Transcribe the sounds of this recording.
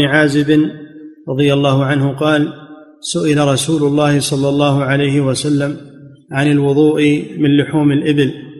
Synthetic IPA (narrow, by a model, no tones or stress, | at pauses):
nʕaːzɪbɪnɾˤɑðˤɨjalˤːɑːɦʊʕanhʊqɑːl | sʊʔɪlaɾˤɑsuːlʊlˤːɑːhɪsˤɑlːɑlˤːɑːɦʊʕalajhɪwasalːam | ʕanɪlwʊðˤuːʔɪmɪnlʊħuːmɪlʔɪbɪl